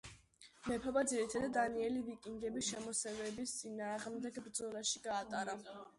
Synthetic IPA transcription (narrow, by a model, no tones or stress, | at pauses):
mɛpʰɔbad̪ziɾit̪ʰad̪ad̪aniɛlivikʼiŋɡɛbisʃɛmɔsɛvɛbist̪sʼinaːʁmd̪ɛɡbɾd̪zɔlaʃiɡaːt̪ʼaɾa